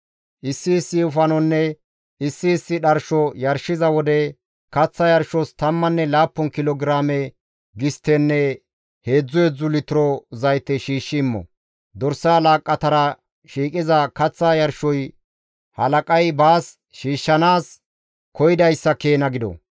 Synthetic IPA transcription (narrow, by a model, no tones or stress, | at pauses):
ʔɪsːɪːsɪʊfɐnɔnːɛ | ɪsːɪːsːɪɗɐɾʃɔjɐɾʃɪzɐwɔd̪ɛ | kɐt͡sːɐjɐɾʃɔst̪ɐmːɐnːɛlaːpːɔnkɪlɔɡɾaːmɛ | ɡɪst̪ːɛnːɛ | he̞ːd͡zːʊɛd͡zːʊlɪt̪ɪɾɔzɐjt̪ːɛʃiːʃːɪːmːɔ̰ | d̪ɔɾsɐɐlaːkʼːɐt̪ɐɾɐ | ʃiːkʼɪzɐkɐt͡sːajɐɾʃɔj | hɐlɐkʼɐjbaːs | ʃiːʃːɐnaːs | kʰɔjɪd̪ɐjsːɐkeːnɐɡɪd̪ɔ̰